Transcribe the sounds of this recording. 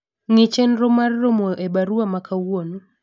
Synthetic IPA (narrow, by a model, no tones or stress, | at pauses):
ŋɪt͡ʃɛnɾomarːomoʔebaɾuamakʰawwono